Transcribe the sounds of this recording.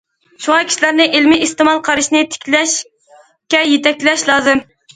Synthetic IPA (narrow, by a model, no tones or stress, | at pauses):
ʃuŋɑkʲʰi̥ʃilæɾnɨʔelmɪist̪ɨmɑlˠqʰɑɾɨʃnɪt̪ʰɪ̥kʲlɛʃ | kʲɛjet̪ʰɛkʲlɛʃlˠɑːzɨm